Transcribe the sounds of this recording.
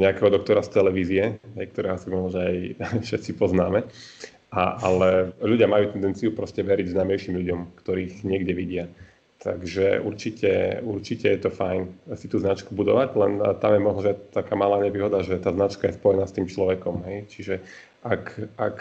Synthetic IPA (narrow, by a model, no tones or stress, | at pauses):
ɲɛakɛɦɔd̪ɔk̚t̪ɔɾast̪ɛlɛʋiːziɛɦɛjkt̪ɔɾɛːɦɔsimɔɦnɔʒɛajfʃɛt̪t͡sipɔznaːmɛ | ʔaalɛʎuɟɪamajuːt̪ɛnd̪ɛnt͡siupɾɔscɛʋɛɾiɟznaːmɛjʃiːmʎuɟɔmkt̪ɔɾiːɣɲɪɛɡɟɛʋiɟɪa | t̪ʰa̰ɡʒɛ̰ʔuɾt͡ʃicʰɛ̰uɾt͡ʃicɛjɛt̪ɔfajnsi̥t̪uːznat͡ʃkubud̪ɔ̰ʋaɟlɛnt̪amjɛmɔɦnɔʒɛatt̪ːakaːmalaːɲɛʋiːɦɔd̪aʒɛt̪aːznat͡ʃkajɛspɔjɛnaːst̪iːmt͡ʃlɔʋɛkɔmɦɛjt͡ʃiʒɛ | ʔakʔak